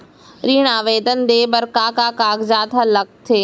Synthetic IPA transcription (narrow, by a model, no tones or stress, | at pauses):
ɾiːɽ̃aːʋeːd̪ənd̪eːbəɾkaːkaːkaːɡd͡ʒaːt̪ʰalɐk̚t̪ʰeː